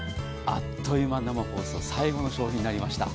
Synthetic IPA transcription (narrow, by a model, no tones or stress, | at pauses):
a̰t̪ʰːo̞jɯmanamako̞ːsɨosaiɡo̞no̞ɕo̞ːçʲĩɲ̟inaɾʲimaɕi̥t̪a̰